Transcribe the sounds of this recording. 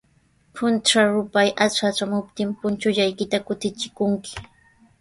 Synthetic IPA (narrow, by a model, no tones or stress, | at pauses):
pʰʊnʈ͡ʂaɾʊpajʔat͡ʃaʈ͡ʂamʊp̚t̪ɪmpʊnt͡ʃʊʎajkɪt̪akʊt̪ɪt͡ʃɪkʊŋkɪ̥